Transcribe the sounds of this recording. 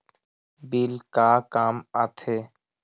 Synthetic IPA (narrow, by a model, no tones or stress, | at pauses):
biːlkaːkaːmaːt̪ʰeː